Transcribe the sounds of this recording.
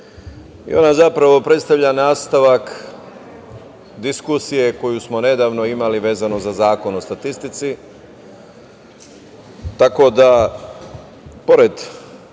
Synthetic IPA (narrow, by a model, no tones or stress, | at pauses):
ḭo̞̰nazapɾaʋo̞pɾe̞t̪st̪aʋʎanaːst̪aʋak | d̪iskusije̞ko̞jusmo̞ne̞d̪aːʋno̞imaliʋe̞ːzanozazaːko̞no̞st̪at̪ist̪it̪si | t̪ako̞d̪a | po̞ɾed̪